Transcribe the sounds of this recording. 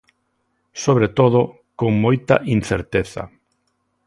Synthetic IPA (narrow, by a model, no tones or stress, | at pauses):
soβ̞ɾet̪oð̞ʊ | koŋmojt̪ɐʔin̟θeɾt̪eθɐ̰